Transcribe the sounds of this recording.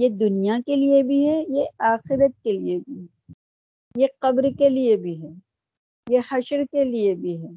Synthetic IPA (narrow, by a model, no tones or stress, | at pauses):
jed̪ʊnijakeliebʱiɦɛjeaːxɪɾət̪̚keliebʱiɦɛ | jeqɐbɾkeliebʱiɦɛ | jehɐʃəɾkeliebʱiɦɛː